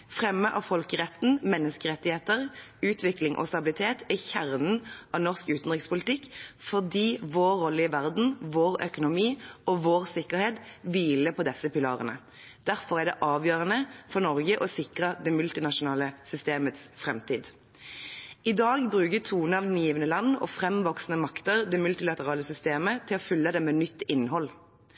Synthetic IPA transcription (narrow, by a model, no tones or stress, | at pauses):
fʁɛmːəʔɑʋfɔlkəʁɛt̪n̩mɛnːəskəʁɛt̪ːɪheːt̪əʁ | ʉːt̪ʰʋɪklɪŋʔɔ̰st̪ɑbɪlɪt̪ʰeːt̪ʰæçæʁnn̩ʔɑʋnɔʁskʉːt̪n̩ʁɪkspʊlɪt̪ɪkːfɔʁd̪iːʋoːʁːɔləɪəʋæʁd̪n̩ʋoːʁœ̰kʊnʊmiːɔʋoːʁsɪkːəʁheːt̪ʋiːləpʰɔd̪ɛsəpɪlɑ̰ːʁənə | d̪̥æʁfɔʁæd̪ɛ̰ʔɑːʋjøːʁənəfɔʁnɔʁɡəʔɔsɪkʁəd̪ɛmʉlt̪ɪnɑʃʊnɑːləsʏst̪eːmət̪sfʁɛmt̪iːd̪ | ɪd̪ɑːɡbʁʉːkət̪ʰuːnəɑːʋd̪njiːʋənəlɑnːɔ̰fʁɛmʋɔksnəmɑkt̪əʁd̪ɛmʉlt̪ɪlɑt̪əʁɑːləsʏst̪eːmət̪ʰɪlɔfʏlːəd̪ɛmɛːnʏt̪ːɪnːhɔl